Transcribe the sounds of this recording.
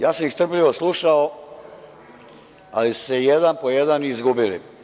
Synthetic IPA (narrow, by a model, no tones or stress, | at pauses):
jaːsamixst̪r̩pʎiʋoslˠuʃao | alisu̥sejed̪anpojed̪anizɡubilḭ